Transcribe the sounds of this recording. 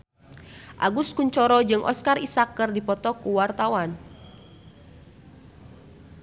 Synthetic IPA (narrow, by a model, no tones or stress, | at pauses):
ʔa̰ɡuskuɲt͡ʃɔɾɔd͡ʒɨŋʔɔ̰skarisakːɨrdipɔt̪ɔkuwart̪awan